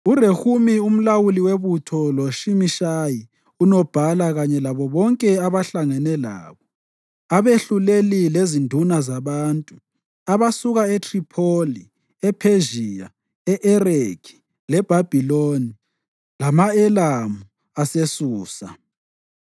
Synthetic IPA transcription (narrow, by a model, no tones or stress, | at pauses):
urehumium̩lawuliweβutʰɔloʃimiʃaji | unɔb̥ʱalaɣaɲɛlaβɔβɔŋkʼɛaβaɬaŋɛnɛla̰ːβɔ | aβeɬulelilezindʱunazaβaːntʼu | aβasuɣaetʰripʰoli | ɛpʰeʒia | ɛʔɛrekʰi̥ | lɛb̥ʱab̥ʱiloni | lamaɛlamu | asesuːsa